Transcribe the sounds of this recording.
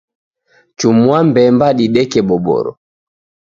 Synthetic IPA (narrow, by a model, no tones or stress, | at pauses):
t͡ʃumwambɛmbaɗiɗɛkɛɓɔbɔ̰ɾɔ̰